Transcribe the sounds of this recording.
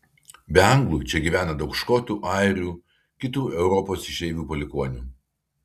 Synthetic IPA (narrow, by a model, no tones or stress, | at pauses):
bʲɛɑŋɡlˠuːt͡ʃʲɛɡʲiʋʲæːnɐd̪ɒʊkʃkoːt̪ʲuːʔɑˑɪɾʲuː | kʲɪt̪uːɛʊɾɔpoːsɪʃʲɛɪʋʲuːpɔlʲɪkoːnʲuː